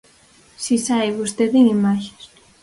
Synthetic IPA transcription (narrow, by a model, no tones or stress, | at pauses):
sisajβust̪eðiimaç̥ɾ